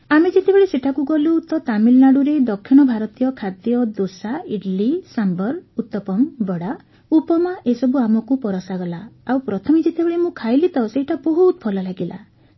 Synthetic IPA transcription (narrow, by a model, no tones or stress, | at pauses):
amed͡ʒet̪ebeɭeseʈʰakuɡɔluːt̪ɔt̪amilnaɽuɾed̪ɔkʰːiɽ̃ɔbʱaɾɔt̪ijɔkʰad̪jɔd̪osaiɖlisambɔɾut̪ːɔpɔmbɔɽa | upɔmaʔesɔbuamɔkupɔɾɔsaɡɔlaawpɾɔt̪ʰɔmid͡ʒet̪ebeɭemũkʰajlit̪ɔseɦiʈʰabɔɦut̪pʰɔlalaɡila̰